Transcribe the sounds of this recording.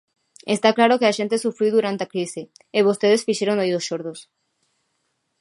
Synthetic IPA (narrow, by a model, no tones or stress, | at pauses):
est̪aklaɾokeaʃẽnt̪esufɾiwðuɾant̪eakɾise | eβost̪eðesfiʃeɾoŋojðosʃoɾðos